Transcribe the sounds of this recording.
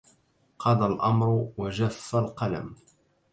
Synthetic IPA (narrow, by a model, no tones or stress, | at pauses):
qʰɑd̪ˤɑlʔɑmɾˤʊwaʒafːalqɑla̰m